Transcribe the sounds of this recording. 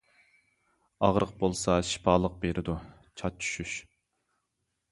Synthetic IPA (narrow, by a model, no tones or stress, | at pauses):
ɑʁɾʔəq̚bolˠsɑʃi̥pʰɑːlˠəq̚beɾʔɪd̪u | t͡ʃʰɑt͡ʃʰy̥ʃyʃ